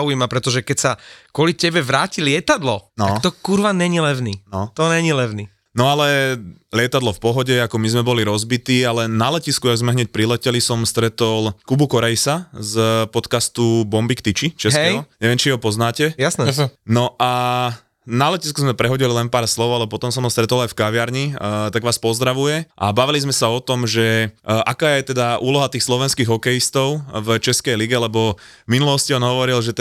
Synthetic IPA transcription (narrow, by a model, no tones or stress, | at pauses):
ujimapɾɛt̪ɔʒɛkɛcsakʊɔlicɛbɛʋɾaːcilɪɛt̪ad̪lɔtnat̪ɔkuɾʋanɲɛɲilɛʋninɔt̪ɔɲɛɲilɛʋni | nɔalɛlɪɛt̪ad̪lɔfpɔɦɔɟɛakɔmizmɛbɔliɾɔzbit̪iːalɛnalɛciskuaɡzmɛɦɲɛc̚pɾilɛcɛlisɔmst̪ɾɛt̪ɔlkubukɔɾɛjsazpɔt̪kast̪ubɔmbikt̪it͡ʃit͡ʃɛɦkɛjɔɲɛʋɛmt͡ʃiɦɔpɔznaːcɛjasɛsnɔʔa | nalɛciskuzmɛpɾɛɦɔɟililɛnpaːɾslɔʊalɛpɔt̪ɔmsɔmɦɔst̪ɾɛt̪ɔlajfkaʋɪaɾɲit̪aɡʋaːspɔzd̪ɾaʋujɛʔa̰baʋilizmɛsaɔt̪ɔmʒɛʔakaːjɛt̪ɛd̪aʔuːlɔɦat̪iːxslɔʋɛnskiːɣɔkɛjist̪ɔʊvt͡ʃɛskɛjliɡɛlɛbɔminulɔsciɔnɦɔʋɔɾilʒɛt̪